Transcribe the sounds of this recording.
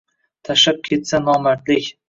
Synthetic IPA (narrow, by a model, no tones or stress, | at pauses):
t̪ʰaʃap̚kʲʰe̞t̪sanɒmat̪lɪkʲ